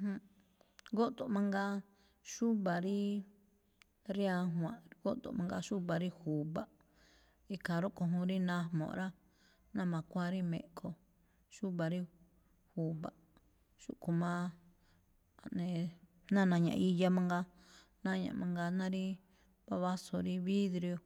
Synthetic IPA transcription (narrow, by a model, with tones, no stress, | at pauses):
hũ˧ | ɡo˦ʔt̪o˨mã˧ŋɡa˦˧ | ʃu˦βa˨ɾi˦ | ɾi˦a˧ɦwã˨ʔɡo˦t̪o̰˨mã˧ŋɡa˧ʃu˦βa˨ɾi˦hu˨βa˨ | i˧ka˨ɾo˦ʔko˧ɦũ˧˦ɾi˦nã˦mõ̰˨ʔɾa˦ | nã˦mã˨kʷa˦ɾi˦mḛ̃˨ʔkʰo˧ | ʃu˦βa˨ɾi˦ | hu˨βa˨ | ʃṵ˦ʔko˧mã˦ | a˨nẽ˨ | nã˦˨nã˧ɲã̰˨ʔi˧ja˧mã˧ŋɡa˧ | nã˦ɲã̰˨mʔã˧ŋɡa˧nã˦ɾi˦ | βa˧βa˦so˧ɾi˦βi˦ðɾi˧o˧